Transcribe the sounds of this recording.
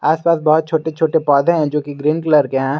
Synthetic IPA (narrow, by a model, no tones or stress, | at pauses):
aːspaːsbɐɦʊt̪̚t͡ʃʰoːʈet͡ʃʰoːʈepɔːd̪ʱẽɦɛ̃d͡ʒoːkiɡɾĩːnɖkləɾkeɦãː